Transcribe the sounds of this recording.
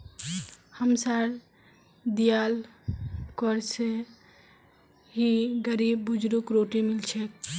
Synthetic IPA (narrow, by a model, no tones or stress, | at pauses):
həmsaɾ | d̪ijal | kɔɾse | ɦiɡəɾibːud͡ʒɾukɾoʈimilt͡ʃʰɛk̚